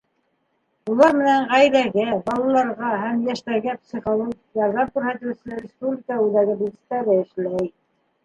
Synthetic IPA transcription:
ulˠɑɾmɘ̆næɴʁæjðæɡæbɑlˠɑlˠɑɾʁɑɦæmjæʃt̪æɾɡæpsʲiχolˠoɡjɑɾðɑmkʉɾhæt̪ɘ̆wsɘ̆læɾʲɪspublʲɪkəʉðæɡɘbizist̪ːæɾɘɘ̆ʃlæj

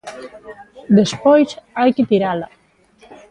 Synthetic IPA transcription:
d̪espɔjsajkit̪iɾala

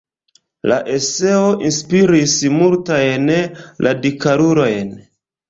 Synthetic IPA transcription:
laʔe̞se̞o̞ʔinspiɾismultajnlʔadikaɾuɾo̞jn

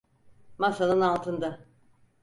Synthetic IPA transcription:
masanɯnalˠt̪ʰɯnd̪a

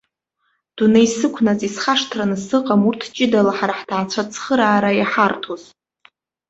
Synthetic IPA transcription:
d̥unejsɨkʷʰnazisχaʂtʰranɨsɨqʼamurtʰt͡ʃʼɪdalaħaɾaħdaʕt͡ɕʷʰat͡sʰχəɾaːɾajaħartʰoz

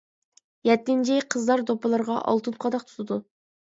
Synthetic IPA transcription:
jɛt̪ːɪnt͡ʃʰɪqʰəzlˠɑɾd̪opɨlˠɨɾʁɑʔɑ̰lˠt̪ʰɨnqʰɑd̪ɑq̚t̪ʰu̥t̪ʰɨd̪u

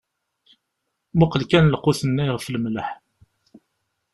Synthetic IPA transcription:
mʊqəlkænləqːʊθənːæjʁfləmləħ

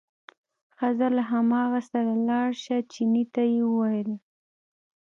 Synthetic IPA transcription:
xazalaɦamɑɣasaɾalɑɽʃat͡ʃinit̪ajeəwajəl

